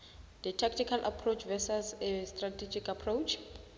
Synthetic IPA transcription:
d̪ətʰak̚tʰikʰalʔapʰrot͡ʃʰvɛsazɛstratʰed͡ʒikapʰrowt͡ʃʰ

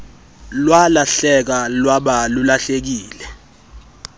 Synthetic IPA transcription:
lwalaɬɛk̬alwaɓalulaɬek̬iːlɛ

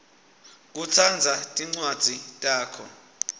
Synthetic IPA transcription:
k̬ut͡sʰand͡zʱatʼiŋ͡ǀwad̥z̥ʱitʼaːkʰɔ̰

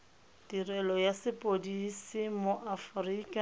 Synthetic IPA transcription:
d̥irɛlɔjasɪpʼodisimʊʔafriːkʼa

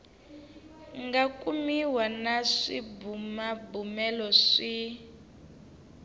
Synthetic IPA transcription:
ŋɡakumiwanaʂḭbumabumɛlɔʂi

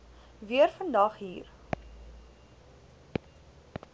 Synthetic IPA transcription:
viərfəndɐχɦiːr

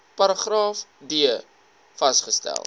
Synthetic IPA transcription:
pɐɾɐχrɑːfdiə | fɐstχəstæ̰lˠ

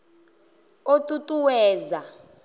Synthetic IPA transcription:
otʼutʼuwɛːza

